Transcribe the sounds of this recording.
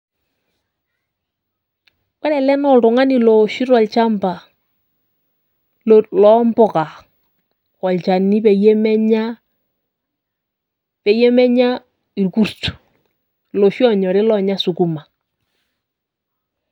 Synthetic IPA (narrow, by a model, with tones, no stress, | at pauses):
kɔ˦ɾɛ˨lɛ˦nɔ˨ltʊ˨ŋa˦ni˨lɔ˨ʃi˦ɾɔ˨lt͡ʃa˦mpa˨ | lɔ˦mbɔ˨ka˨ | kɔ˨lt͡ʃa˨ni˦pe˨je˦mɛ˦ɲa˦ | pe˨je˦mɛ˦ɲa˦ | i˨lku˦ɾtu̥˨ | lo˨ʃɔ˦ɲɔ˨ɾɪ˦lɔ˨ɲa˦su˨ku˦ma˨